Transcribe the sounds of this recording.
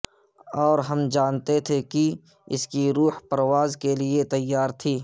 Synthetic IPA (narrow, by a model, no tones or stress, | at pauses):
ɔːɾɦɐmd͡ʒaːnt̪et̪ʰeki | ɪ̰skiɾuːhpɐɾwaːzkelɪet̪ɐjːaːɾt̪ʰiː